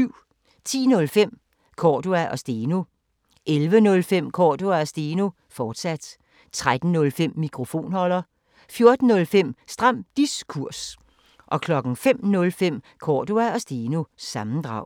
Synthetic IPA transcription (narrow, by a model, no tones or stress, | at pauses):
yʊ̰ | t͡sʰḭːnɔ̽lfem̰ | kʰɒːd̥uæʔɒ̽sd̥eːno̝ | ʔelʋənɔ̽lfem̰kʰɒ̰ːd̥uæɒ̽sd̥eːno̝ | fɒːd̥sæd̥ | t͡sʰʁad̥n̩nɔ̽lfem̰ːikʰʁo̝fo̝̰ːnhɒ̽l̰ɐ | fjo̝ɐd̥n̩ːɔ̽lfem̰sd̥ʁɑ̈m̰d̥iskʰuɐ̰s | ʔɒ̽kʰlɒ̽ɡ̥n̩fem̰nɔ̽lfem̰ | kʰɒ̰ːd̥uæɒ̽sd̥eːnosɑ̈mn̩d̥ʁɑ̈ʊ̰